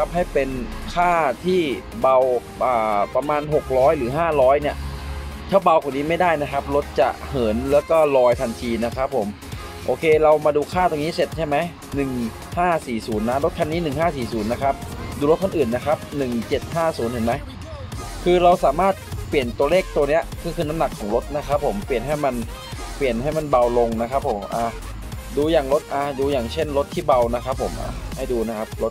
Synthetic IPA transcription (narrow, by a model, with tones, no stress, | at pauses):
a˦˥p̚hɦa˥˩jpe˧nkʰaː˥˩t̪ʰiː˥˩ | ba˧w | ʔaː˨˩pa˧maː˧nɦo˨˩k̚ɾɔː˦˥jlɯː˩˦ɦaː˥˩ɾɔː˦˥jni˥˩ɐt̪ʰɛː˥˩wba˧wkʰaː˨˩ni˦˥ma˥˩jdaː˥˩jna˦˥kʰa˦˥p̚lo˦˥t̪̚t͡ɕa̰˨˩ʔhɤː˩˦nlɛː˦˥wkɔː˥˩lɔː˧jt̪ʰa˧nt̪ʰiː˧na˦˥kʰa˦˥pʰːo˩˦m | ʔoː˧kʰeː˧ɾa˧wmaː˧duː˧kʰaː˥˩t̪oː˧ŋniː˦˥se˨˩t̪̚t͡ɕʰa˥˩jma˦˥j | nɯ˨˩ŋ | haː˥˩siː˨˩suː˩˦nːa˦˥ɾo˦˥t̪̚kʰa˧nːiː˦˥nɯ˨˩ŋɦaː˥˩siː˨˩suː˩˦nːa˦˥kʰa˦˥p̚duː˧lo˦˥t̪̚ʰa˥˩nʔɯː˨˩nːa˦˥kʰa˦˥p̚nɯ˨˩ŋt͡ɕe˨˩t̪̚haː˥˩suː˩˦ntɯ˨˩˦ma˦˥j | kʰɯː˧ɾa˧wsaː˩˦maː˥˩t̪̚pli˨˩ənt̪u˧ɐleː˥˩k̚t̪u˧ɐni˦˥ɐkʰɯː˧kʰɯː˧na˦˥mna˨˩kʰːɔː˩˦ŋlo˦˥t̪̚na˦˥kʰa˦˥pʰːo˩˦mpli˨˩ənɦa˥˩jma˧n | pli˨˩ənɦa˥˩jma˧˨nba˧wlo˧ŋna˦˥kʰa˦˥pʰːo˩˦mʔaː˧˩ | duː˧jaː˨˩ŋlo˦˥t̪̚ʔaː˧˩duː˧jaː˨˩ŋt͡ɕʰe˥˩nlo˦˥t̪ʰːiː˥˩ba˧wna˦˥kʰa˦˥pʰːo˩˦mʔa̰ː˧˩ha˥˩jduː˧na˦˥kʰa˦˥p̚lo˦˥t̪̚